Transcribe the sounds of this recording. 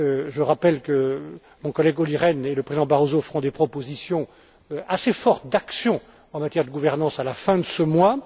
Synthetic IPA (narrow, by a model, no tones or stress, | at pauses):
øʒəʁapɛlkə | mɔ̃kɔlɛɡɔliʁɛneləpχezid̪ɑ̃baʁozofəʁɔ̃d̪epχɔpozisjɔ̃ | asefɔʁt̪̚d̪aksjɔ̃ | ɑ̃mat̪jɛʁd̪əɡuvɛʁnɑ̃salafɛ̃d̪əsəmwa